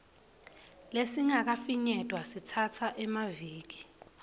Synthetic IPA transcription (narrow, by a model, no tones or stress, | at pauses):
lesiŋak̬afiɲɛtʼwasitʰatʰaʔɛmaviːk̬i̥